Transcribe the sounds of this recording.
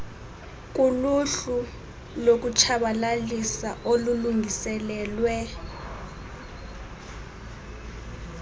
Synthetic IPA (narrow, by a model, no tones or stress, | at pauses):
k̬ʼuluɬu | lok̬ut͡ʃʰaɓalalisaʔoluluŋʱisɛlɛːlwɛ